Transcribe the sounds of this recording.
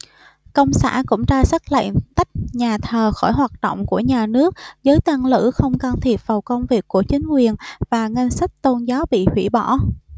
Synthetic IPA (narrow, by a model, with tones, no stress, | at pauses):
kə̰˧wŋ͡msa̰ː˧˥˩nkʊ̰˧˥ŋ͡mt͡ɕaː˧sə˦˥k̚lə̰˧˨ŋt̪a˦˥jk̟̚ɲaː˨˩t̪ʰəː˨˩xɔ˧˩jɦwaː˨˩t̚ɗə̰˧˨wŋ͡mku˧˩əɲaː˨˩nɨ˦˥ək̚zəː˨˦jt̪a˧ŋlɨ̰˧˥xə˧wŋ͡mka˧nt̪ʰi˨˩əp̚vaː˨˩wkə˧wŋ͡mvi˨˩əkːu˧˩ət͡ɕï˨˦ŋ̟kwi˨˩ənvaː˨˩ŋa˧ŋ̟sa˦˥k̚t̪o˧nzaː˨˦wɓḭ˧˨hwḭ˧˩ɓɔ˧˩